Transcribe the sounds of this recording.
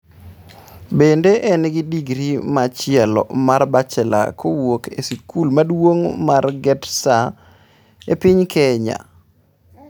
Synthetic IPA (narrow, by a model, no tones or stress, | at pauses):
bendeʔɛnɡɪdiɡɾimat͡ʃɪɛlɔ̰marbat͡ʃɛla̰kʰowokesikulmadwoŋmarɡɛtsa | epiɲkʰɛɲa̰